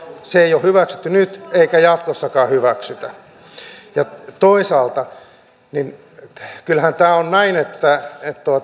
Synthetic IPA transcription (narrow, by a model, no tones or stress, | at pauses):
seeijohhyʋæksy̥t̪ːynyt̪eikæjɑt̪kosːɑkɑːhyʋæksyt̪æ | jɑt̪oisɑːlt̪ɑ | nin | kylhænt̪æːonnæinet̪ːæet̪t̪uɑt̪